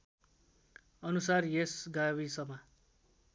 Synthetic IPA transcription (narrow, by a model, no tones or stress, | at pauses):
ʌnusarjesɡajwisʌma